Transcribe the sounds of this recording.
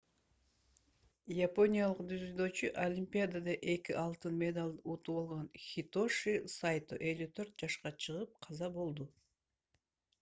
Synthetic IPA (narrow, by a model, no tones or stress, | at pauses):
japo̞nʲijalˠɯqd̪yzyd̪øːt͡ʃyʔolʲimʲpʲiad̪ad̪ɑʔe̞kiʔɑlˠt̪ɯnmʲed̪alʲˠd̪ut̪uolˠʁonxʲit̪o̞ʂisajt̪ṵʔe̞lʲyt̪ʰø̞ɾt̪̚d͡ʒɑʃqɑt͡ʃʰɯʁɯp̚qʰɑzɑbo̞lˠd̪u